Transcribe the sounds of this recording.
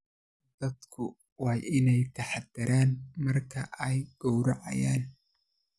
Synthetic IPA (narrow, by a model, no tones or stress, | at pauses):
d̪̥ɐd̪kʰʊ | wɑːjʔɪnɛjt̪ʰɐħɑd̪ɐɾʔaːnmɐrkʰɐʔɛjɡ̥ɔwɾɐʕɑ̰jaːn